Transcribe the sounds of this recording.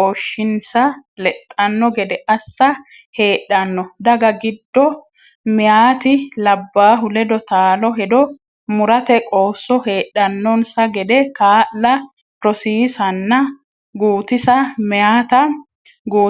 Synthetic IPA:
oːʃːɪnsɐlɛt̪ʼːɐnːɔɡɛd̪ɛʔɐsːɐ | he̞ːɗːɐnːɔd̪ɐɡɐɡɪd̪ːɔ | mɛjaːt̪ɪlɐbːaːɦʊlɛd̪ɔt̪aːlɔɦɛd̪ɔ | mʊɾɐt̪ɛkʼo̞ːsːɔhe̞ːɗɐnːɔnsɐɡɛd̪ɛkaːʔlɐ | ɾɔsiːsɐnːɐ | ɡuːt̪ɪsɐmɪjaːt̪ɐ | ɡuː

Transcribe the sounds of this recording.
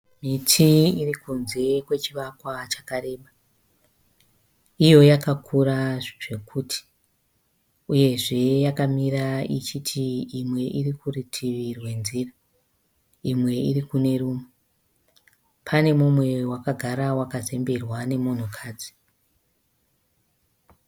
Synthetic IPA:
mitʰiirikunze̞kwe̞t͡ʃiʋakwat͡ʃḁkaɾe̞ːɓa | ijo̞jakakʰuɾaʐe̞kʰuːtʰi̥ | uje̞ʐe̞jakamiɾait͡ʃitʰiimwe̞ʔirikuritʰiʋirwe̞nziːra | imwe̞irikune̞ruːmu | pʰane̞mumwe̞wakaɡʱaɾawakaze̞mbe̞rwane̞mon̤ukʰaːd͡zi̥

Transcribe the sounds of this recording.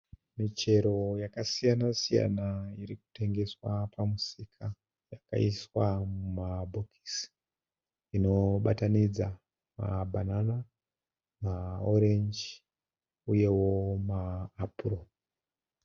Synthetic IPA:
mit͡ʃe̞ɾo̞jakasijanasija̰naiɾiku̥te̞ŋɡe̞swapʰamusikʰa | jaka̰iswamumabʱokʰi̥si̥ | ino̞ɓatanid͡za | ma̰bʱanana | maoɾend͡ʒ | uje̞wo̞maːpuro

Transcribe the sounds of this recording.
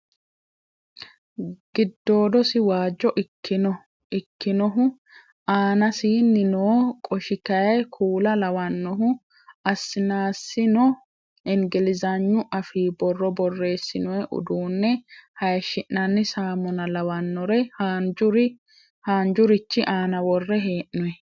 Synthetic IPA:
ɡ̥ɪd̪ːo̞ːd̪ɔsɪwaːd͡ʒːɔʔɪkːɪnɔ | ɪkːɪnɔɦʊ | aːnɐsiːnːɪnoːkʼɔʃɪkɐjɐjkʰuːlɐlɐwɐnːɔɦʊ | ɐsːɪnaːsːɪnɔ | ɛŋɡɛlɪzɐɲːʊʔɐfiːbɔrːɔbɔrːe̞ːsːɪnɔjɛʔʊ̰d̪uːnːɛhɐjʃɪʔːɐnːɪsaːmɔnɐlɐwɐnːɔɾɛhand͡ʒʊɾɪ | haːnd͡ʒʊɾɪt͡ʃːɪʔaːnɐwɔrːɛɦeːʔnɔɛ

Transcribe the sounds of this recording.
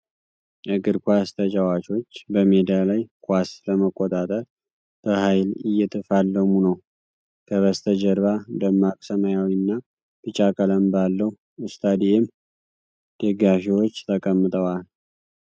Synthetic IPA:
ʔɨɡɨɾkʷast̪ʰət͡ʃʼawat͡ʃo̞t͡ʃːbəmed̪alajkʰʷasbəməkʼːot̪ʼat̪ʼəɾ | b̥əhajlɨjːɛt̪ʰɨfalːəmunəw | kʰəβəst̪ʰəd͡ʒəɾβad̪əmːakʼsəmajawinːa | bɨt͡ʃʼakʼələmbalːəh | ɨst̪ʰʼad̪ijem | d̪̥əɡafewot͡ʃːt̪ʰəkʼəmːɨt̪ʼəwal

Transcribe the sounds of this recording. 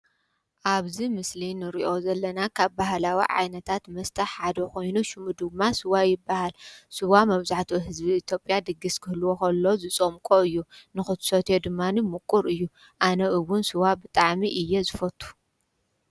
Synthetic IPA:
ʔaβzimɨslinɨɾiʔo̞zɐlːɐnakʰaβbaɦlawḭʕa̰jnɐt̪ʰat̪mɐst̪ʰɐħħad̪ɐkojnuʃɨmud̪ɨmːasɨwajɪbːahalsɨwamɐβzaħt̪ʰiɦɨzbiːt̪ʰjo̞pʼjad̪ɨɡːiskʰɨhlɨwokɐlːo̞zɨt͡sʼomkʼoɨjːunɨxɨt̪ʰsɐt̪ʰed̪ɨmːanimukʼːuɾɨjːu | ʔanɐʔɨwʊnsɨwabɨt̪ʼaʕmiʔɨjːezɨfɐt̪ʼːu̥

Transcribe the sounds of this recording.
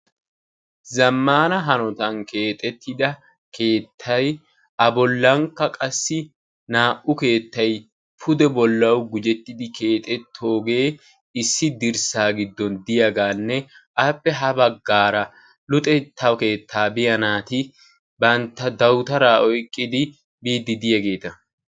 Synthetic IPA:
zɐmːaːnɐɦɐnɔt̪ɐnke̞ːt̪ʼɛt̪ʰːɪd̪ɐ | kʰe̞ːt̪ʰːɐj | ʔɐbɔlːɐŋkːɐkʼɐsːɪ | naːʔʊke̞ːt̪ːɐj | pʰʊd̪ɛbɔlːɐwɡʊd͡ʒɛt̪ːɪd̪ɪke̞ːt̪ʼɛt̪ʰːo̞ːɡe̞ː | ɪsːɪd̪ɪɾsaːɡɪd̪ːɔnd̪ɪjɐɡaːnːɛʔɐpːɛɦɐbɐɡːaːɾɐ | lʊt̪ʼɛt̪ʰːɐwke̞ːt̪ʰːaːbɪjɐnaːt̪ɪ | bɐnt̪ːɐd̪ɐwt̪ɐɾaːɔjkʼːɪd̪ɪ | biːd̪ːɪd̪ɪjɐɡe̞ːt̪ɐ

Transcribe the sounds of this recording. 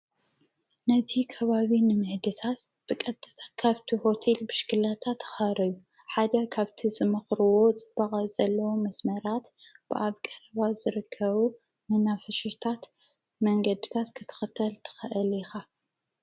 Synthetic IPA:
nɐt̪ʰikʰɐβaβinɨmɨħd̪ɨt̪ʰat̪ | b̥ɨkʼɐt̪ʼːɨt̪ʰḁkʰaβt̪ʰiho̞t̪ʰe̞lbɨʃkɨlat̪ʰat̪xaɾɐju | ħad̪ɐkʰaβt̪ʰizɨmɨxɾɨwo̞t͡sʼɨb̥ɐχʼazɐlːɐwomɐsmɐɾat̪b̥ɨʔaβkʼɐɾɐβazɨɾɨkʰːɐβu | mɨnafɨʃɨt̪ʰat̪ | mɐŋɡɐd̪ɨt̪ʰat̪kʰɨt̪ʰɨ̥xɨt̪ʰːɐlt̪ʰɨ̥xɨʔɨlixa

